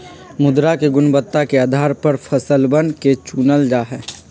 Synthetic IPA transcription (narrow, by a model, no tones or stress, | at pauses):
mʊd̪ɾakeɡʊnbət̪ːakeaːd̪ʱaːɾpəɾfʰəsəlbənket͡ʃuːnəld͡ʒaːɦɛː